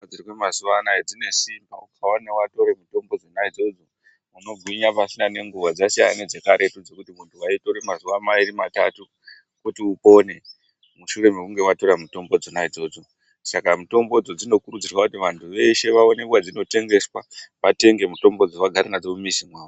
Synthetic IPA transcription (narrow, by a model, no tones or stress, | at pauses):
d͡zirikwemazuʋanaed͡zine̞simbaukʰawanewato̞ɾemuto̞mbo̞d͡zonaid͡zo̞d͡zo | uno̞ɡʱwiɲapasinane̞ŋɡuʋad͡zasija̰ned͡ze̞kaɾe̞tud͡zo̞kutimuntʰuwaito̞ɾemazuʋamaiɾimatatu | kutiupo̞ne̞ | muʃure̞mekuŋɡe̞wato̞ɾamuto̞mbo̞d͡zonaid͡zo̞d͡zo̞ | sakamuto̞mbo̞d͡zo̞d͡zino̞kurud͡zirwakutiʋantʰuʋe̞ʃe̞ʋao̞ne̞kwad͡zino̞te̞ŋɡe̞swaʋate̞ŋɡe̞muto̞mbo̞d͡zowaɡʱaɾanad͡zomumisimwaːʋo